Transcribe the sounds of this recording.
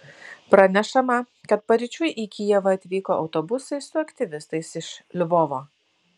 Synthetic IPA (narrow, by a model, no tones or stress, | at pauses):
pɾɐnʲɛʃɐmɐ | kɐt̪̚pɐɾʲɪt͡ʃʲʊjʔikʲijɛʋɐɐt̪ʲʋʲiːkoːʔɒ̰ʊt̪oːbʊsɐɪssʊɐkt̪ʲɪʋʲɪst̪ɐɪsɪʃlʲʋoːʋoː